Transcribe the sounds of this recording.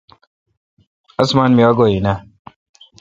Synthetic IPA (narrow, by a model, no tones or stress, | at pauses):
ɐsmaːnmiaɡojinɐ